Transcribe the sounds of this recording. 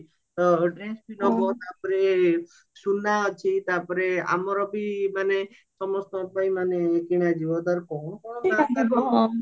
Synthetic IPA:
t̪ɔɖɾẽsbinɔbʱɔt̪apɾe | sunːat͡ʃʰit̪apɾea̰mɔɾɔbʱimane | sɔmɔst̪ɔpaimanekiɽ̃ad͡ʒiʋot̪aɾkɔ̃aɔ

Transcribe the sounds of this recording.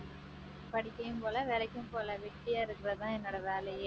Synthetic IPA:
pɐɽɪkːɐjɯmpoːlɐʋɛlɐkːɯmpoːlɐʋɛʈːɪjaːɪɾɯkːɪrɐt̪ãːɛnːoːɽɐʋeːlɐje

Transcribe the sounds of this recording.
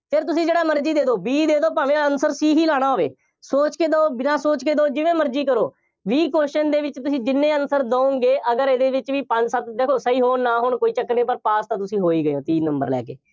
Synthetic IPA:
pʰɪɾt̪ʊsĩːd͡ʒeːɽaːməɾd͡ʒiːd̪eːd̪oːbiːd̪eːd̪oːpaːʋẽːənsəɾsiːɦiːlaːɽ̃aːɦoːʋḛː | soːt͡ʃkeːd̪oːbɪnãːsoːt͡ʃkeːd̪oːd͡ʒɪʋẽːməɾd͡ʒiːkəɾoː | ʋiːkoːʃənd̪eːʋɪt͡ʃt̪ʊsĩːd͡ʒɪnːẽːənsəɾd̪õːõːŋɡeːʔəɡəɾed̪eːʋɪt͡ʃʋiːpəɲd͡ʒsət̪̚d̪eːkʰoːsəiːɦoːnaːɦʊɳkoːiːt͡ʃəknẽːpəɾpaːst̪ãːt̪ʊsĩːɦoːiːɡəjoːt̪iːnəmbə̰ɾlɛ̰ːkḛː

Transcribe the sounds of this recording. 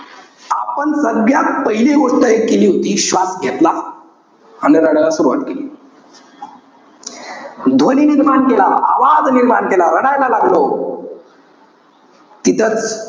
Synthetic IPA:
apənsəŋɡʱjak̚pəɦileɡoʂʈ̪əekeliːɦot̪iːɕʋasɡʱet̪la | aneɾəɽalasuɾuʋa̰t̪keliː | d̪ʱoniːniɾmaɳt̪ela̰a̰ʋad͡zniɾmaɳt̪elaɾəɽajlalaɡlo | t̪it̪ʰət͡s

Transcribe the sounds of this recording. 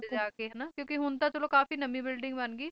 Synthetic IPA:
aːkeɦɛnaːkjõːkiɦʊnt̪ãːt͡ʃəloːkaːfiːnəmĩːbɪlɖɪ̃ŋɡbənɡiː

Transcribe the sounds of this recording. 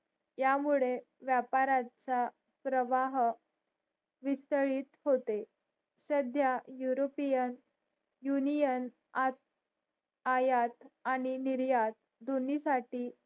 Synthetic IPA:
jamuɭe | ʋjapaɾat͡sa | pɾəʋaɦ | ʋist̪əɭiːt̪ɦot̪e | səd̪ʱjajuɾopijən | junijən | a | ajat̪aɽ̃iniɾjat̪ | d̪ʱonisaʈiː

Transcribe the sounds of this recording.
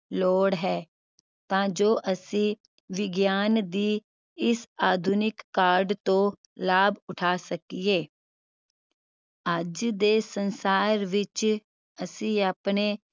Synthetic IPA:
loːɽɦɛː | t̪ãːd͡ʒoːʔəsĩː | ʋɪɡjaːnd̪iː | ɪsaːd̪ʱunɪkːaːɾɖt̪õː | laːbʊʈʰaːsəkieː | əd͡ʒd̪eːsənsaːɾʋɪt͡ʃ | əsĩːaːpneː

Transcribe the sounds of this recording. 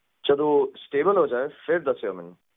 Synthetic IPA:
t͡ʃɐd̪usʈeːbəlɦoːd͡ʒaːefɪɾd̪ɐsejomɪn

